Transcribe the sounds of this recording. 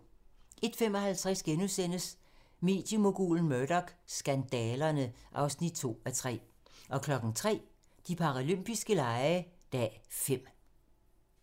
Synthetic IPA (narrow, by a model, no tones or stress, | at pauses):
ʔe̝d̥femɒ̽hælt͡sʰʁasɡ̥enusen̰əs | me̝ːd̥jəmo̝ɡ̥ṵːln̩mødɒɡ̥sɡ̥ænd̥ɛːlɐnəʔɑ̈ʊsnid̥̚t͡sʰo̝̰ːæt͡sʰʁɛ̰ː | ʔɒ̽kʰlɒ̽ɡ̥ŋ̩t͡sʰʁɛ̰ː | d̥ipʰɑ̈ʁaløm̰b̥isɡ̥əlɑ̈ɪəd̥ɛːfem̰